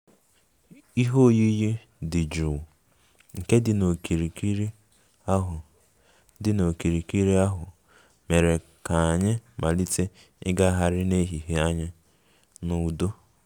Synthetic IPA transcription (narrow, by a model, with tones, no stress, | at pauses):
i˦ɦo˦ji˦ji˦ | dɪ˨d͡ʒu˨ | ŋ̩˨ke˦dɪ˨no˨ki˨ɾi˨ki˦ɾi˦ | a˦ɦʊ˨ | dɪ˨no˨ki˨ɾi˨ki˦ɾi˦a˦ɦʊ˨ | me˨ɾe˨ | ka˨a˨ɲɪ˦mʔa˨li˦te˦ | ɪ̰˦ɡa˦ɦa˨ɾɪ˦ne˦ɦi˨ɦe˦a˦ɲɪ˦ | nʊ˨u˨do˦